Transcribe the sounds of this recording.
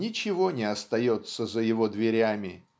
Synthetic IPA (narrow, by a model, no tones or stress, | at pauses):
nʲɪt͡ɕɪvo̞nʲɪɐst̪ɐjot̪səzəjɪvo̞d̪vʲɪɾʲamʲɪ